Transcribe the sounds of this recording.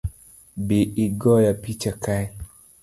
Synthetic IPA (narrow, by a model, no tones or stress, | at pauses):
beʔiɡɔjapit͡ʃakaj